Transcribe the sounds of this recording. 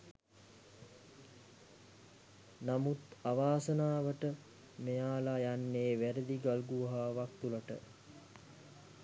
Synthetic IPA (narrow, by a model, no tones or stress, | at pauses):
namut̪aʋaːsənaːʋəʈə | mejaːlajanːeːʋæɾəd̪iɡalɡuɦaːʋak̚t̪uləʈə̰